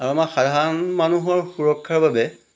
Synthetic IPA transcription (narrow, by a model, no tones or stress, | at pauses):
aɹuamaxadʱaɹɔnmanuɦɔɹxuɹɔkʰːaɹbabɛ